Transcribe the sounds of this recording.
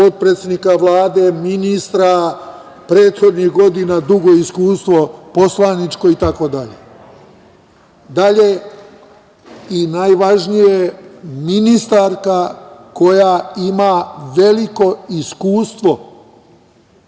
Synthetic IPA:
po̞t̪̚pɾet̪sʲjed̪nikaʋlˠaːd̪e̞minist̪ɾa | pɾe̞ːt̪xo̞d̪nihɡo̞d̪inad̪uɡo̞iskuːst̪ʋo̞po̞slˠanit͡ʃko̞it̪ako̞d̪aʎḛ | d̪aʎe̞ | inajʋaʒnijeminist̪aɾkako̞jaimaʋe̞liko̞iskuːst̪ʋo̞

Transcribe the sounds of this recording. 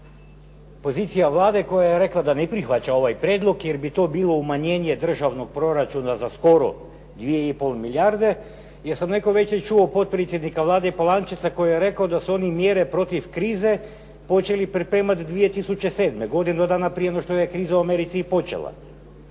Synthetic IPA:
po̞ziːt̪sijaʋlˠaːd̪eko̞jajeɾe̞klˠad̪anepɾixʋat͡ɕao̞ʋajpɾjeːd̪lˠo̞kjeɾbit̪o̞ːbiːlˠo̞umaɲe̞ːne̞d̪r̩ʒaʋno̞ɡ̚pɾo̞ɾat͡ʃunazasko̞ɾo̞̰ | d̪ʋije̞ipo̞lˠmiljaɾd̪e̞ | jesamne̞ko̞ʋe̞t͡ʃet͡ʃuopo̞t̪̚pɾet̪sjed̪nikaʋlˠaːd̪eipolˠant͡ʃit̪sako̞jijeɾe̞kaod̪asuo̞nimjeːɾepɾo̞t̪ifkɾiːze̞ | po̞t͡ʃe̞lipɾipɾe̞ːmat̪d̪ʋije̞t̪isut͡ɕese̞ːd̪me̞ɡo̞d̪ined̪od̪aːnapɾijeonoʃt̪ojekɾiːzauameɾit̪sipo̞t͡ʃe̞̰lˠa̰

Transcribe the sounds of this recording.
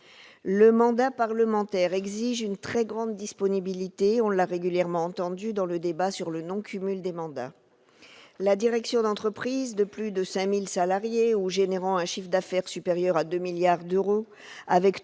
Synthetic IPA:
ləmɑ̃d̪apaʁləmɑ̃t̪ɛʁɛɡziʒynt̪χɛɡʁɑ̃d̪ːispɔnibilit̪eɔ̃laʁeɡʲyljɛʁmɑ̃ɑ̃t̪ɑ̃d̪yd̪ɑ̃ləd̪ebasyʁlənɔ̃kʰʲymyld̪emɑ̃d̪a̰ | lad̪iʁɛksjɔ̃d̪ɑ̃t̪χəpχizd̪əplyd̪əsɛ̃milsalaʁjeuʒeneʁɑ̃ɛ̃ʃifd̪afɛʁsypeʁjœʁad̪ømiljaʁd̪øʁo | avɛk

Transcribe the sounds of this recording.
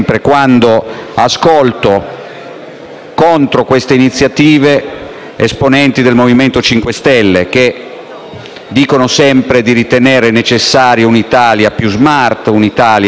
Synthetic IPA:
mpɾekwand̪oaskolt̪o | kont̪ɾokwest̪einit̪sːjat̪iːve | esponɛnt̪id̪elmoviment̪ot͡ʃiŋkwest̪ɛlːek̟e | d̪iːkonosɛmpɾed̪iɾit̪eneːɾenet͡ʃesːaːɾjounit̪aːljapjuzmart̪unit̪aːlj

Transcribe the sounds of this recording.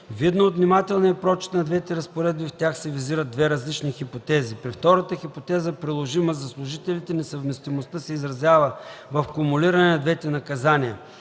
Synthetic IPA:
vid̪noot̪vnimat̪ɛlˠniɐpɾɔt͡ʃt̪nɐd̪vɛt̪ɛɾɐspoɾɛd̪̚bift̪ʲjaxsɛviziɾəd̪̚d̪vɛɾɐzlit͡ʃnixipot̪ɛzipɾift̪ɔɾət̪əxipot̪ɛzəpɾilˠoʒiməzɐslˠʊʒit̪ɛlit̪ɛnɛsɐvmɛst̪imost̪əsɛizɾɐzjavəvɐfkʊmuliɾɐnɛnɐd̪vɛt̪ɛnɐkɐzaniə̰

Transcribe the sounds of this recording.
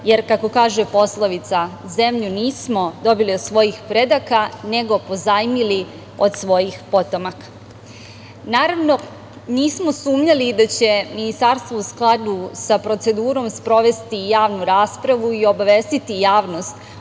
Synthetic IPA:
je̞ɾkako̞kaːʒepo̞slˠoʋit̪sa | ze̞mʎuniːsmo̞d̪o̞biliod̪sʋo̞jixpɾe̞d̪akane̞ɡo̞po̞zajmili | o̞d̪sʋo̞jixpo̞t̪o̞makḁ | naːɾaʋno̞ | niːsmo̞suːmɲalid̪at͡ɕe̞minist̪aɾst̪ʋousklˠad̪usapɾo̞t̪se̞d̪uːɾo̞mspɾo̞ʋe̞st̪ijaːʋnuɾaːspɾaʋuio̞baʋe̞st̪it̪ijaːʋno̞st̪

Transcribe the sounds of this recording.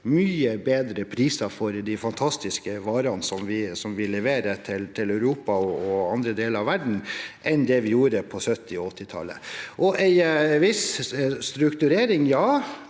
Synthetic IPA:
myːəbeːd̪ɾəpʰɾiːsɑfɔɾd̪æɪfɑnt̪ʰɑst̪ɪskəʋɑːɾɑnsɔmʋɪsɔmʋɪlɛʋeːɾət̪ʰɪlt̪ʰɪlœʉɾuːpɑɔɔɑnd̪ɾəd̪eːləɾɑʋæɖɳ̩ʔɛnd̪ɛʋɪjuːɾəpʰɔsœt̪ːɪɔɔt̪ːɪt̪ʰɑ̰lːə̰ʔɔʔæɪʋɪsst̪ɾʉkt̪ʉɾeːɾɪŋjɑː

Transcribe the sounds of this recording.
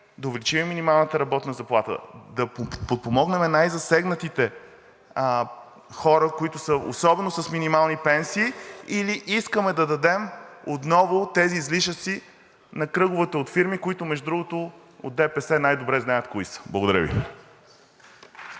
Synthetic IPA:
d̪ɐʊvɛlit͡ʃimɛminimalˠnət̪əɾɐbɔt̪nəzɐplˠat̪ə̰d̪ɐpot̪̚pomɔɡnɛmɛnajzɐsɛɡnət̪it̪ɛ | xɔɾəkoit̪ʊsəo̰sɔbɛnʊsəsminimalˠnipɛnsiːiliʔiskəmɛd̪ɐd̪ɐd̪ɛmot̪nɔvʊt̪ɛziːzliʃəsi | nɐkɾɤɡʊvət̪əot̪fiɾmikoit̪ʊmɛʒd̪ud̪ɾuɡʊt̪ʊ | o̰d̪ɛpɛsɛnajd̪obɾɛznajət̪koisə̥bl̰ˠɡoʊd̪ɐɾə̰vḭ

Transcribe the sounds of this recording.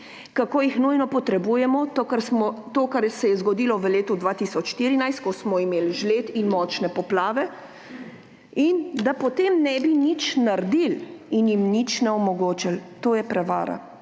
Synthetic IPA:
kakoːjixnujnɔpɔt̪ɾɛbuːjɛmɔt̪kaɾmɔt̪oːkaɾsɛjɛzɡɔd̪iːlɔʋəleːt̪ud̪ʋaːt̪isɔt͡ʃʃt̪iːɾinajst̪̚kɔsmɔimeːlʒlet̪inmɔːt͡ʃnɛpɔplaːʋɛ | ind̪apɔt̪eːmnɛbinit͡ʃnaɾd̪ilinjimnit͡ʃnɛɔmɔɡoːt͡ʃalt̪oːjɛpɾɛʋa̰ːɾa̰

